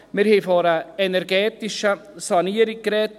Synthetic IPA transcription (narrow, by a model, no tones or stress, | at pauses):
mɪɾhɛɪfɔɾəɛnɛɾɡɛːt̪iʃəsɑniəɾɪkɾɛt